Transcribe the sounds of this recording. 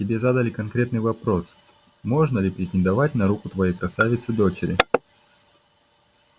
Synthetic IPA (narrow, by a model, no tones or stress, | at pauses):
tʲɪbʲe̞zad̪əlʲɪkɐnkɾʲe̞t̪nɨjvɐpɾo̞s | mo̞ʐnəlʲɪpɾʲɪtʲɪnd̪ɐvatʲnɐɾukʊt̪vɐjejkɾɐsavʲɪt̪sɨd̪o̞t͡ɕɪɾʲɪ̰